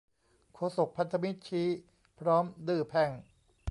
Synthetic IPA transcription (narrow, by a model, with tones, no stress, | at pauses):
kʰoː˧˩so˨˩k̚pʰa˦˥nt̪ʰa˧mi˦˥t̪̚t͡ɕʰiː˦˥ | pʰɾɔː˦˥md̪ɯː˨˩pʰɛ˨˩ŋ